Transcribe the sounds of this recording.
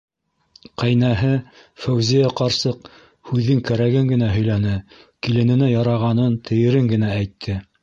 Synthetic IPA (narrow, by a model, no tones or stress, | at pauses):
qæjnæɦɘ | fæwzijæqɑɾsɤq | hʉðːɘŋkæɾæɡɘŋɡɘ̆næɦɵ̆jlænɘ | kilɘ̆nɘ̆næjɑɾɑʁɑnɤnt̪ʰɘ̆jɘ̆ɾɘŋɡɘ̆nææjt̪ʰːɘ